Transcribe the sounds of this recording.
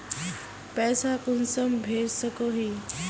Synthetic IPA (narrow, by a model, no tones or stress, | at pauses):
pɛːsakunsəmbʱeɾsəkoɦi